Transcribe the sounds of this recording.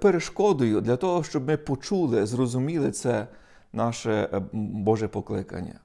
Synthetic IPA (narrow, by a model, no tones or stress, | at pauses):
peɾeʃkɔd̪ʊjʊd̪lʲɐt̪ɔɦɔʃt͡ʃɔbmɪpɔt͡ʃulˠɪzrɔzʊmʲilˠɪt̪sɛ | nɑʃɛbɔʒɛpɔklˠɪkɐ̰nʲːɐ̰